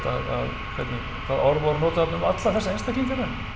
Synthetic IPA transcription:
t̪aða̰ð | kʰvɛjt̪niɣk̪ʰaðɔɾmɔɾnoːt̪hat̪nʏmat̪laθɛsaejnst̪acʰeŋkaɾɛn

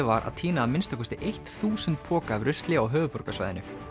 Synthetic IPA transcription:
ɪvaɾʔa̰ð̥t̪ʰiːnaamɪnst̪akʰɔst̪ɪʔejht̪θuːsɛnt̪̚pʰɔːkavɾʏst̪lɪawɦœːvʏpɔɾkasva̰jðɪnʏ

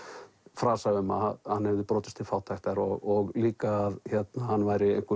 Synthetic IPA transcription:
fɾaːsavɪma̰hanːhɛvðɪpɾɔːt̪ɪst̪ʰɪlfaːwt̪ʰajxt̪aɾɔɣɔɣliːkaːðçɛt̪nahanːvaːjɾɪejhŋkʏ

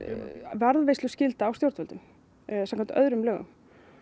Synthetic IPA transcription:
vɛɾðvejst̪ʏscɪlt̪aːwst̪jowɾt̪ɛlt̪ʏm | sɛmkʰɛnt̪ʔœðɾʏmlœːɣʏ̰m

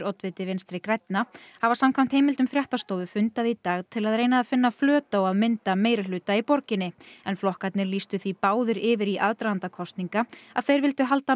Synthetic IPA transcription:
ɾɔt̪vɪt̪ɪvɪnst̪ɾɪkɾajt̪nahavasamkʰvam̥t̪hejmɪlt̪ʏmfɾjaht̪ast̪oːwvʏfʏnt̪aðit̪aːɣt̪ʰɪlaðɾeːjnaːðfɪnːaflœːt̪aɔɣaðmɪnt̪ameːjɾɪlʏːt̪aipɔɾcɪnːɪɛnflɔhkat̪nɪɾliːst̪ʏθipaːwðɪɾɪvɪɾiʔaðt̪ɾawant̪akʰɔst̪niŋkaaðθejɾvɪlt̪ʏɦal̪t̪a

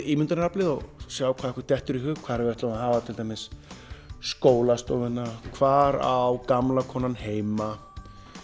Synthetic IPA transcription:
imʏnt̪ʏnaplɪðɔɣsjaːwkʰaːðɛhkvʏɾ̥t̪ɛht̪ʏɾiɦʏɣkʰv̥aðɾɛvvɛɾt̪lamahaːvat̪ʰɪlt̪ajmɪsː | koːwlast̪ɔːvɪnːakʰvaːɾa̰wkamlakʰɔːnanheːjma

